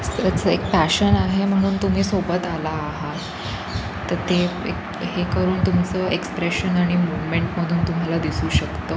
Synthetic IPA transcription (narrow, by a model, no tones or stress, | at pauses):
sət͡sek̚pæɕənaɦem̤əɽ̃uːnt̪um̤iːsobət̪alaːɦa | t̪əɾt̪e | ḛk | ɦekəɾuːnt̪umt͡səːekspɾeɕənaɽ̃imuʋmeɳʈm̤əd̪ʱuːnt̪um̤alad̪isuːɕəkt̪əː